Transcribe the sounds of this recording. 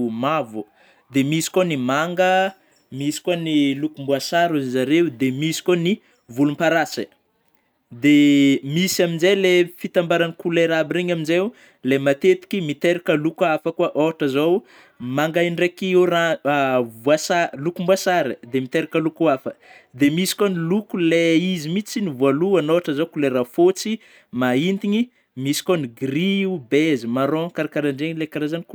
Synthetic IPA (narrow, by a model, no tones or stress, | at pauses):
mavu | d̪emisi̥konimaŋɡə | misi̥kuanilukumbuasaɾuzizaɾeud̪emisi̥koni | vulumpaɾasə̰ | d̪emisaminzejlefit̪ambaɾanikuleɾabiɾiɲaminzeu | lemat̪et̪i̥kimit̪eɾakəlukuafəkuaʔoʈ͡ʂəzow | maŋɡajɳɖ͡ʐekiuɾavuasalukumbuasaɾid̪emit̪eɾakəlukuafəd̪emisi̥konilukuleizimit͡sinivualuanoaʈ͡ʂəzowkuleɾafot͡si | maint̪iɲi | misi̥koniɡriubezimaɾɔ̃kaɾakaɾaɳɖ͡ʐeɲilekaɾazanik